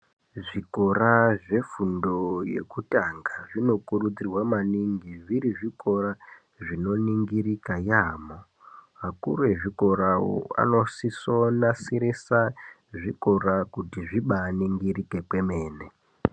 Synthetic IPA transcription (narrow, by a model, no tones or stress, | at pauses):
ʐiko̞ɾaʐe̞fundo̞je̞̰kutaŋɡaʐino̞kurud͡zirwamaniŋɡiʐiɾiʐiko̞ra | ʐino̞niŋɡirikajaːmo | ɦakuɾe̞ʐiko̞ɾao̰a̰no̞siso̞nasiɾesa | ʐiko̞ɾakutiʐiɓaniŋɡirike̞kwe̞me̞ːne